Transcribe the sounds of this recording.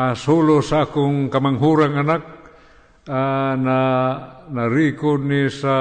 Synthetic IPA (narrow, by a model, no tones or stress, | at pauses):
asulusaakuŋkamaŋɦuɾaŋanak̚ | ana | naɾikunisa